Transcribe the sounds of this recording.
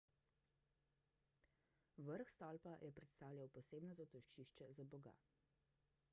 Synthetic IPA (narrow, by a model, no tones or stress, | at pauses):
ʋəɾxst̪alpajʔɛpɾɛt̪st̪aːwljawpɔseːbnɔzat̪ɔʃt͡ʃiʃt͡ʃɛzabɔɡa̰